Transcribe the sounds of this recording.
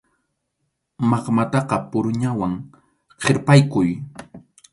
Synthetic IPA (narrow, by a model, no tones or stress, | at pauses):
mɑqmat̪ɑqɑpʊɾʊɲawaŋ | qʰeɾpajkʊj